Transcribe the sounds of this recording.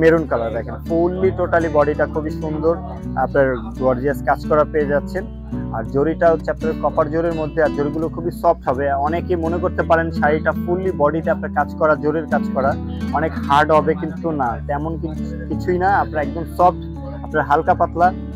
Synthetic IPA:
meɾunkalad̪ɛkʰenfulːiʈoʈalibɔɖiʈakʰubiʃund̪oɾ | apnaɾɖoaɾd͡ʑiaskad͡ʑkɔɾapeed͡ʑatːɕʰen | a̰ɾd͡ʑoɾiʈaɦotːʃʰeapnaeɾkɔpaɾd͡ʑoɾiɾmod̪ʱːeaɾd͡ʑoɾiɡulokʰubisɔp̚ʈɦɔbeɔnekemonekoɾt̪epaɾenʃaɾiʈafulibɔɖiteapnaɾkad͡ʑkɔɾad͡ʑoɾiɾkad͡ʑkɔɾa | ɔnekhaɾɖɦɔbekint̪unat̪ɛmonki | kit͡ɕʰujnaapnaɾɛkd͡ʑomsɔpʈ | apnaɾɦalkapat̪la

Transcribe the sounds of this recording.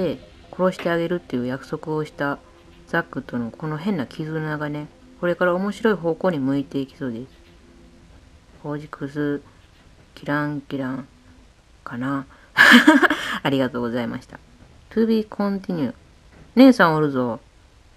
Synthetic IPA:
de̞ | ko̞ɾo̞ɕi̥t̪e̞aɡe̞ɾɯ̟t̪ːe̞jɯ̟ːjakɯ̟̥so̞kɯ̟o̞ɕi̥t̪a | d͡zakːɯ̟t̪ːono̞kʰo̞no̞ɦẽ̞nːakʲʰizɨnonaɡane̞ | ko̞ɾe̞kaɾao̞mo̞ɕiɾo̞iɦo̞ːko̞ːɲ̟imɯ̟it̪e̞ikʲi̥so̞ːd̪e̞sɨ̥ | ho̞ːd͡ʑikʰɯsɨ | kʲiɾãŋkʲiɾãŋ | kana | aɾʲiɡat̪o̞ːɡo̞zaima̰ɕi̥t̪a | t̪ɯbʲikʰõ̞nt̪ʲiɲ̟ʲɯ | ne̞ːsãɰ̃oɾɯ̟zo̞

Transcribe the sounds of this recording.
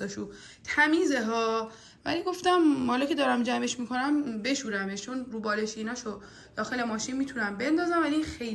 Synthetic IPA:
ɒʃu | t̪ʰæmiːzeɦɒː | væ̰liɡo̞ft̪æmhɒlɒcʰe̞d̪ɒːɾæmd͡ʒæme̞ʃmikʰo̞næmbe̞ʃuːɾæmeʃt͡ʃʰo̞nɾuːbɒːleʃiiːnɒːʃo | d̪̥ɒːxe̞le̞mɒːʃinmiːt̪ʰunæmbe̞nd̪ɒːzæmvæliinxej

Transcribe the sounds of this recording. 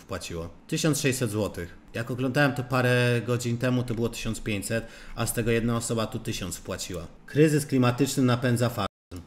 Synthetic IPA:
fpwat͡ɕiwɔt̪ɘɕɔnt̪ʂɛɕsɛd̪zwɔt̪ɘx | jakɔɡlɔnd̪awɛmt̪ɔpaɾɛɡɔd͡ʑint̪ɛmut̪ɔbɘwɔt̪ɘ̥ɕɔnspʲjeɲt͡ɕʲsɛt̪ast̪ɛɡɔjɛd̪naɔsɔbat̪ut̪ɘɕɔnt̪sfpwat͡ɕiwa̰ | kɾɘzɘsklʲimat̪ɘt͡ʂnɘnapɛnd̪zafa

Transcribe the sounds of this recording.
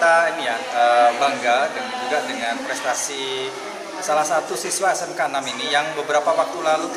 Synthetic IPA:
t̪ainijaəbaŋɡadəŋad͡ʒuɡadəŋanpɾɛst̪asi | salahsat̪usiswasənkanaminijaŋbəbəɾapawak̚t̪ulalu

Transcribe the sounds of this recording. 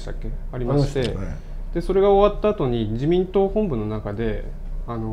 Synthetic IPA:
t̪a̰kʲːe̞aɾʲimaɕi̥t̪e̞ | d̪̥e̞so̞ɾe̞ɡao̞βat̪ːaːt̪o̞ɲ̟id͡ʑimʲĩnt̪o̞ːhõ̞mbɯ̟nːo̞nakad̪e̞ | ano̞

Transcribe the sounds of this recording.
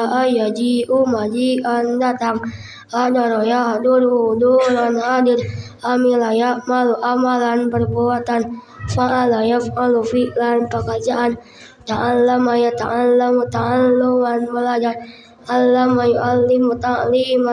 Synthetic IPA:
ʔajad͡ʒiʔumad͡ʒiandat̪aŋ | adaɾɔjaaduɾuduɾanhadiɾ | amilajaʔmaluʔamalanpərbuat̪an | faʔalajafalufiʔlanpəkərd͡ʒaʔan | t̪aʔallamajat̪aʔanlamut̪aʔanlowanməlad͡ʒan | alːamajuʔalːimut̪aʔlima

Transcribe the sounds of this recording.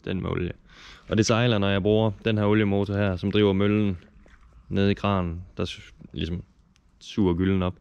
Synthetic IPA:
d̥enmeo̰ljə | ɒ̽d̥e̝sɑ̈ɪlɐnɒjɑ̈ɪb̥ʁuːɐd̥enɦæɐɔljəmo̝ːt͡sʰohæɐ̰sɒ̽md̥ʁḭːʊɐmøln̩ | ne̝ð̞̩ˠiɡ̥ʰʁɑ̰̈ːnn̩d̥ɑ̈lisɒ̽m | sṵːɐɡ̥yln̩ɒ̽b̥

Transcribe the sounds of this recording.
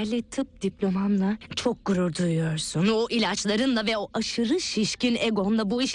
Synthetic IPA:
ɾlʲit̪ʰɯp̚d̪̥iplʲo̞mamlˠat͡ʃʰo̞k̚ɡuɾuɾd̪ujujo̞ɾsuno̞ʔilʲat͡ʃlˠaɾɯnd̪avɛo̞ʔaʃɯɾɯʃiʃcineɡo̞nd̪abuiʃ

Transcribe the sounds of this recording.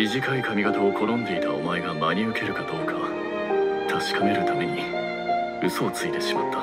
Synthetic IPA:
mʲiʑikaikamʲiɡat̪aokʰo̞ɾõ̞nd̪e̞it̪aomaeɡamaɲ̟iɯ̟ke̞ɾɯ̟kad̪o̞ːkʰa | t̪ʰaɕi̥kame̞ɾɯ̟t̪ame̞ɲ̟i | ɯ̟so̞ːt͡sɨit̪e̞ɕimat̪ːḁ

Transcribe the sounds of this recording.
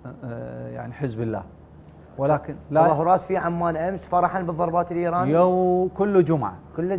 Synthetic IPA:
ja̰ʕniħɪzbɪlːa̰ː | wlaːkɪnlaðˤɑɦʊɾˤɑːt̪fiʕamːaːnʔamsfɑɾˤɑħanbɨðˤɑɾˤbɑːt̪ɪlʔiːɾɑːnjakʊlːd͡ʒʊmʕa̰kʊlː

